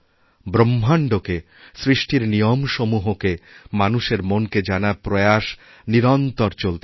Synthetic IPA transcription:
bɾomːaɳɖoke | sɾiʃʈiɾnijomʃomuɦokemanuʃeɾmonked͡ʑanapɾojaʃ | niɾɔnt̪ɔɾt͡ɕolt̪e

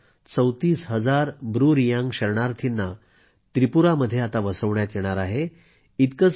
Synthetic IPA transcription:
t͡səwt̪iːsɦəd͡zaɾbɾuɾijãŋɡɕəɾɳaɾt̪ʰinːa | t̪ɾipuɾaməd̪ʱːjeat̪aʋəsəʋɳjat̪jeɽ̃aɾaɦe | it̪kət͡s

